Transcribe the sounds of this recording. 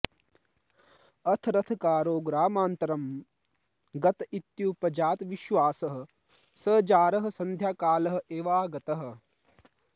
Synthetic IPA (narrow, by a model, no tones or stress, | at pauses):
ɐt̪ʰɾɐt̪ʰkaːɾoːɡɾaːmaːnt̪ɐɾɐm | ɡɐt̪it̪juːpɐd͡ʒaːt̪ʋiʃʋaːsɐɦɐ̆ | sɐːd͡ʒaːɾɐɦɐ̆sɐnd̪ʱjaːkaːlɐɦɐ̆ʔeːʋaːɡɐt̪ɐɦɐ̆